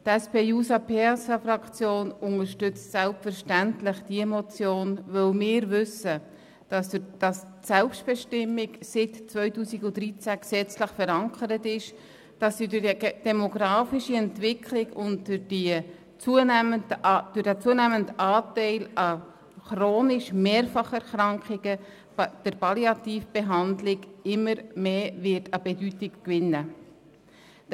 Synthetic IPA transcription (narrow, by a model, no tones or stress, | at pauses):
tɛspeːjuːsɑpʰɛsɑfrɑkt͡sjoːnʊŋəɾʃtʏt͡stsælpfəɾʃtæntlɪχd̥iəmɔt͡sjoːnvœlmɪːɾvʏsə | d̥ɑsd̥ɑs | sɛlpʃtb̥ɛʃtɪmːɪɡsɪtt͡sʋvœʏtuːsiɡʊd̥ɾit͡sæksɛt͡sləχfɛɾɑŋkəɾətɪʃ | d̥ɑsːidd̥ɛmoɡɾɑːfiʃiɛntʋɪkʰlɪɡʊntd̥ʏdi | t͡suənməd̥ʊɾdæt͡suənæməntɑːtɛɪlɑ | χroːnɪʃmeːɾfɑχɛɾχɾɑŋkχɪɡ̥ə | d̥əɾpɑliɑt̪iːfb̥eɦɑndlɪɡɪmːəɾmeːvɪtɑbɛdytɪkkʋɪnːə